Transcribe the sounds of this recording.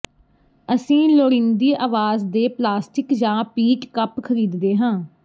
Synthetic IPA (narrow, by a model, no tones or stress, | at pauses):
əsĩːloːɽɪ̃nd̪iːʔaːʋaːzd̪eːplaːsʈɪkd͡ʒãːpiːʈkəpkʰəɾiːd̪d̪eːɦãː